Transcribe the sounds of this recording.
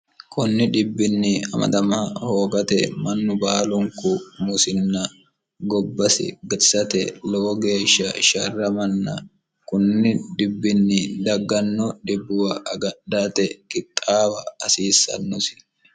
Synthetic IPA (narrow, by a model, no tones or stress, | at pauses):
kʊnːɪᶑ̪ɪbːɪnːɪɐ̰mɐ̰d̪ɐmaho̞ːɡɐt̪ɛmɐnːʊbaːlʊŋkʊmʊsɪnːɐ | ɡɔbːɐsɪ̰ɡɐsɐt̪ɛ̰lɔwɔɡe̞ːʃːɐʃɐrːɐmɐnːɐ̰ | kʊnːɪd̪ɪbːɪnːɪd̪ɐɡːɐnːɔᶑɪbːʊwɐʔɐɡɐɗaːt̪ɛkɪtʼːaːwɐːsiːsːɐ̰nːʊsɪ̥